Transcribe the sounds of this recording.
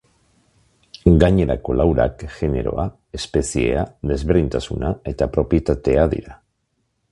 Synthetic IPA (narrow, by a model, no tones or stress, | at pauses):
ɡaɲe̞ɾako̞lawɾa̰kʝe̞ne̞̰ɾo̞a | e̞spe̞sie̞̰aðe̞zβeɾðint̪asunae̞t̪apɾo̞pje̞t̪at̪e̞aðḭɾa